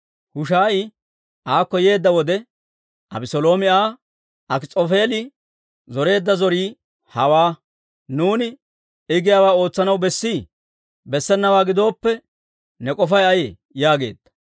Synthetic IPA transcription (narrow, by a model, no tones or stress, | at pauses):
hʊʃaːʔɪ | ʔaːkːɔje̞ːd̪ːɐwɔd̪ɛ | ʔɐ̰bɪsɔlo̞ːmɪaː | ɐkɪt͡sʼofe̞ːlɪ | zɔɾe̞ːd̪ːɐzɔɾiː | hɐwaː | nuːnɪ | ɪɡɪjaːwaːo̞ːt͡sːɐnɐwbɛsːiː | bɛsːɛnːɐwaːɡɪd̪o̞ːpːɛ | nɛkʼɔfɐjɐje | jaːɡe̞̰ːd̪̥ːɐ̥